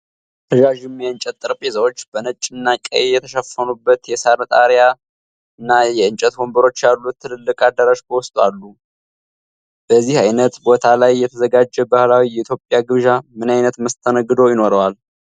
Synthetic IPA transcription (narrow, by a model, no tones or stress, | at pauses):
t̪ʰəʒaʒɨmjɛɨnt͡ʃʼɛt̪ːʼɨɾpʼezəwo̞t͡ʃːb̥ənət͡ʃʼːɪnːakʼə̰jejɛt̪ʰəʃəfːənubːət̪jɛsaɾnət̪ʼaɾja | ɨnːajɛɨnt͡ʃʼɛt̪wombəɾo̞t͡ʃːjalːut̪ʰːɨlɨlːɨkʼad̪əɾaʃkʰəwɔst̪ʼalːu | b̥əzːihajnət̪bo̞t̪ʰalajːɛt̪ʰəzəɡad͡ʒːɛbahlawijɛit̪ʰjo̞pʼjaɡɨβʒamɨnajnət̪məst̪ʰənəɡːɨd̪o̞jɪno̞ɾəwal